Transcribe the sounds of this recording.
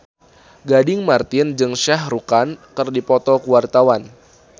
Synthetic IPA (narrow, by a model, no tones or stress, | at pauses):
ɡadɪŋmart̪ɪnd͡ʒɨŋʃahrukankɨrdipɔt̪ɔkuwart̪awan